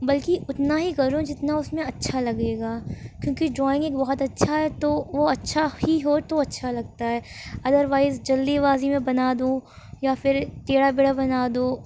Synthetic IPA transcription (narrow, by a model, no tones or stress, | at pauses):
bɐlkiʊt̪naɦikɐɾũd͡ʒɪt̪naʊsmẽɐtːʃʰalɐɡeːɡaːkjõːkid͡ʒɔːɪ̃ŋɡeːkbɔɦɔt̪ɐtːʃʰaɦɛt̪oʋoɐtːʃʰahiɦot̪oɐtːʃʰalɐɡ̚t̪aɦɛːɐd̪əɾʋaːɪzd͡ʒɐlːiʋaːzimẽbɐnaːd̪õː | jafɪɾt̪eːɽabeɽabɐnaːd̪õː